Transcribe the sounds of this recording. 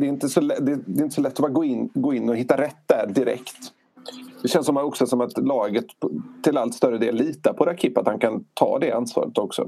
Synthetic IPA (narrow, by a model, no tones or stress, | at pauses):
d̪ɛɾɪnt̪əsɔlɛd̪ɛd̪ɛɪnt̪ə̥sɔlɛt̪ːɔbɑɡoːɪnɡoːɪnːɔhɪt̪ːaɾɛt̪ːd̪æɖɪɾɛ̰kt̪ | d̪ɛɕɛnsɔmɔksɔsɔmat̪lɑːɡət̪ʰːɪlalt̪st̪œɾːəd̪eːlːiːt̪aɾpʰɔɾakʰɪpːat̪hankʰant̪ʰɑ̰ːd̪ɛansvɑ̰ːɾət̪ɔksɔ̰